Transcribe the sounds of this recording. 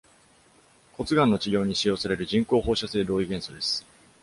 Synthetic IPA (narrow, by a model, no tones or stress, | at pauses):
ko̞t͡sɨɡãnːo̞t͡ɕiɡʲo̞ːɲ̟iɕijo̞ːsaɾe̞ɾɯ̟ʑĩŋko̞ːho̞ːɕase̞ːd̪o̞ːiɡẽ̞ɰ̃so̞d̪e̞sɨ̥